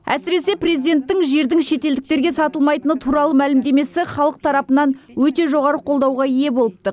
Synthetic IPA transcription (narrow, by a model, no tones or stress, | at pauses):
æ̰sɪɾe̞se̞prezijd̪e̞nt̪ːɪŋʒe̞ɾd̪ɪŋʃe̞t̪eld̪ɪk̚t̪e̞ɾɡʲe̞sɑt̪əlˠmɑjt̪ənət̪ʰuɾɑlˠəmælɪmd̪e̞me̞sɪχɑlˠəq̚t̪ʰɑɾɑpənɑn | wɵt̪e̞ʒo̞ʁɑɾəqʰo̞lˠd̪ɑwʁɑije̞bo̞lˠəp̚t̪ə